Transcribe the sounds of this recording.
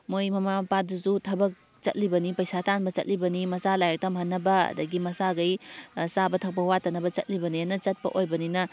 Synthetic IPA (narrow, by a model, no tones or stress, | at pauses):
mojmɐmapaduzutʰɐbɐk̚ | t͡ʃɐ̰t̚libɐnipɐjsatanbɐt͡ʃɐ̰t̚libɐnimɐsalajɐk̚tɐmhɐnːɐbɐ̰dɐɡimɐsaɡɐjsabɐtʰɐk̚pɐwatɐnɐbɐt͡ʃɐ̰t̚libɐnianɐt͡ʃɐt̚pɐ̰ʔojbɐninɐ